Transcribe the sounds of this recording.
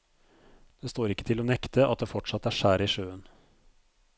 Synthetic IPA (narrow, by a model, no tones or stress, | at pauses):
d̪̥eːst̪oːɾɪkːət̪ʰɪloːnɛkt̪əʔɑ̰t̪̚d̪eːfɔʈʂɑt̪ːæːʂæːɾiːʂøːən